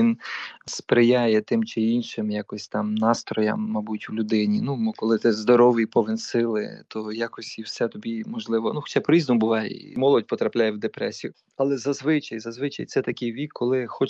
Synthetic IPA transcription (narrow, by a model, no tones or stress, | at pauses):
ʋinspɾɪjajɛt̪ɪmt͡ʃɪinʃɪmjakɔsʲt̪ɑmnɑst̪ɾɔjɐ̰mːɐbutʲwlʲʊd̪ɪnʲinumkɔlˠɪt̪ɪzd̪ɔɾɔʋɪjpɔʋɪnsɪlˠɪ̰t̪ʰɔjɑkɔsʲiwsɛt̪ɔbʲimɔʒlˠɪʋɔnuxɔ̥t͡ʃajpɔɾʲiznɔmʊbʊʋɑjɛ̰ḭmɔlˠɔd̚ʲpɔt̪ɾɐplʲajɛwd̪epɾɛ̰sʲijʊ | ɐlˠɛzɐzʋɪt͡ʃɐjzɐzʋɪt͡ʃɐjt̪sɛt̪ɐkɪjʋʲikʰːɔlˠɪxɔt͡ʃ